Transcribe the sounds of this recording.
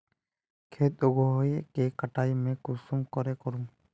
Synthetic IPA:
kʰet̪oɡoɦojekekəʈaːimẽkʊsumkɔɾekɔɾũː

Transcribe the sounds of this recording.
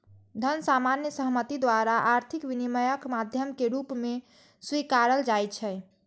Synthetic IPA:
d̪ʱənsamanjəsəɦmət̪id̪waɾaʔaɾt̪ʰikʋiniməjəkmad̪ʱjəmkeɾupme | swikaɾəld͡ʒajt͡ʃʰɛ

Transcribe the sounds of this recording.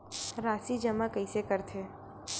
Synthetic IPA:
ɾaːsid͡ʒɐmakəisekəɾt̪ʰeː

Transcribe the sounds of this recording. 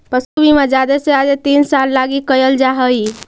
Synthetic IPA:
pəsubʱimed͡ʒad̪esead͡ʒet̪insalːaɡikəjəld͡ʒaɦəji

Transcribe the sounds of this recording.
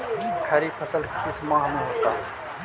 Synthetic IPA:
kʰɐɾipʰəsəlkɪsmãːɦmũɦoːt̪aː

